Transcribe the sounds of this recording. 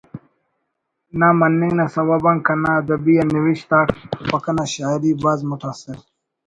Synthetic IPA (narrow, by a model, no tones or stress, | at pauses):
namɐnːiŋɡnasɐwabɐŋkɐnad̪ɐbianiwiɕt̪aːkpɐkɐnaɕaːiɾibazmut̪asiɾ